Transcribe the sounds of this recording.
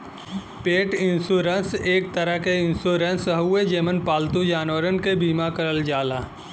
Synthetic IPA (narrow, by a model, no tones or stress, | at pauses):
peːʈɪ̃nsuːɾə̃nseːk̚t̪əɾəɦkeɪ̃nsoːɾə̃nsɦɦued͡ʒeːmənpaːlt̪ud͡ʒaːnʋəɾənkebiːmakɐɾəld͡ʒaːlaː